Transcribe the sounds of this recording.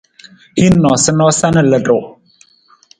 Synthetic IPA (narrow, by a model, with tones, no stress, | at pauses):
hi˦nːɔ˨sə˦nɔ˦sa˦nə˨lə˨dʊ˨